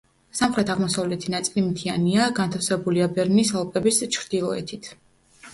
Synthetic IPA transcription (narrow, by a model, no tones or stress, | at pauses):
samχɾɛt̪ʰaʁmɔsavlɛt̪ʰinat̪sʼilimt̪ʰianiaɡant̪ʰafsɛbuliabɛɾnisalˠpʼʰɛbist͡ʃʰɾd̪̥ilˠɔɛ̰t̪ʰit̪ʰ